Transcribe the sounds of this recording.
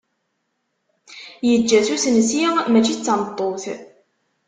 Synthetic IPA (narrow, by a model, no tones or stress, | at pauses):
jəd͡ʒːæθusnəsjimæt͡ʃːit͡sːɑmət̪ˤːoθ